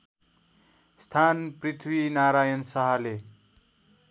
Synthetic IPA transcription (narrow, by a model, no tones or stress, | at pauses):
st̪ʰanprit̪ʰwinaɾajʌnsʌɦʌle